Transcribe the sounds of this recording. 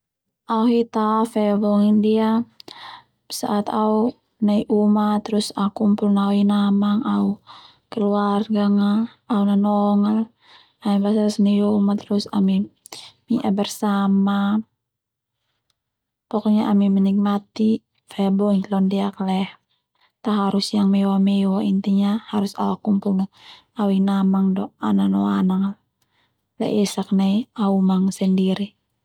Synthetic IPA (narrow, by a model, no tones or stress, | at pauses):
ʔauɦit̪afɛbɔŋindia | sa̰ʔat̪au | naiʔumat̪ːɾusakumpulnauinamaŋau | kəluarɡaŋaː | unanɔŋal | amibasalsniiumat̪ɾusa̰mi | miʔabərsama | pɔkɔɲaʔamimɛnik̚mat̪i | faabɔŋlɔndɛaklɛh | t̪aɦaɾusjaŋmɛwamɛwaint̪iɲahaɾusa̰lakumpulna | awinamaŋdɔananɔanaŋal | lɛ̰ʔɛsak̚naiaumaŋsɛndiɾi